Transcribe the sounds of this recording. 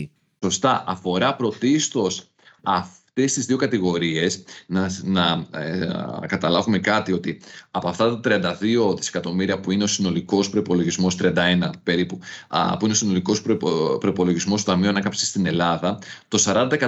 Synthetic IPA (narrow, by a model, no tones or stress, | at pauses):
so̞st̪ɐʔɐfo̞ɾɐpɾo̞t̪ist̪o̞s | ɐft̪e̞st̪izðio̞kɐt̪iɣo̞ɾie̞snɐnɐ | kɐt̪ɐlɐvume̞kɐt̪io̞t̪iɐpoɐft̪ɐt̪ɐt̪ɾiɐnd̪ɐðio̞ðise̥kɐt̪o̞miɾiɐpuine̞o̞sino̞liko̞spɾo̞ipo̞lo̞ʝizmo̞st̪ɾiɐnd̪ɐe̞nɐpe̞ɾipupuineo̞sino̞liko̞sppɾo̞ipo̞loʝizmo̞st̪ot̪ɐmiuɐnɐkɐpsest̪ine̞lɐðɐt̪o̞sɐɾɐnd̪ɐekɐ